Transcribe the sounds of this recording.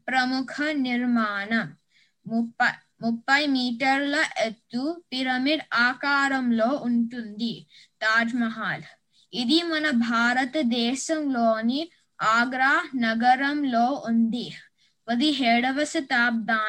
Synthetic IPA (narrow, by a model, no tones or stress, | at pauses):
pɾɐmukʰɐniɾmaːnɐ | muɐ | mupːɐjmiːʈɐɾlɐʔet̪ːupiɾɐmiɖaːkaːɾɐmloːʔuɳʈund̪i | t̪aːd͡ʒmɐɦaːl | id̪imɐnɐbʱaːɾɐt̪ɐd̪ɛːʃɐmloːni | aːɡɾaːnɐɡɐɾɐmloːʔund̪i | ʋɐd̪iɦeːɽɐʋɐsɐt̪aːp̚d̪aː